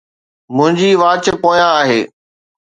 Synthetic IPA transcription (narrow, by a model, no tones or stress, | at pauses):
mʊ̃ɦɪ̃ɲd͡ʑiːʋaːt͡ɕɪpoːjãaːɦeː